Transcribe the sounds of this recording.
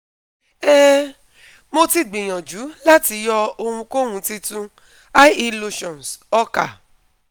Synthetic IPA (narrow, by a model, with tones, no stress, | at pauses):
ɛ˦ | mo˧ti˦˨ɡ͡bĩ˨j̃ɔ̃˨d͡ʒu˨˦la˦ti˧˦jɔ˧o˧hũ˧ko˦hũ˧ti˧tũ˦ | a˦i˧lo˧ʃɔ̃˨n˨sɔ˧˦ka̰˨